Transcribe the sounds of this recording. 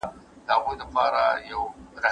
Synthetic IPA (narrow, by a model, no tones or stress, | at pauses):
taːkʷodaɸaːɾajawɾa